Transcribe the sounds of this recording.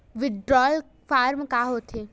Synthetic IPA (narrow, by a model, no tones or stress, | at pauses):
ʋɪɖɾɔːl | faːɾmkaɦoːt̪ʰeː